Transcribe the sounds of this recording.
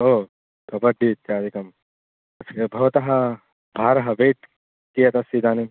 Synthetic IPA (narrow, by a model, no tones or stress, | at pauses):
ɦoː | kɐbɐɖʱit̪̚ːaːd̪ʱikɐm | ɐt͡ʃɐkebʱɐʋt̪ɐɦɐ | bʱaːɾɐɦɐʋeːʈ | kijɐt̪ɐsid̪ʱaːni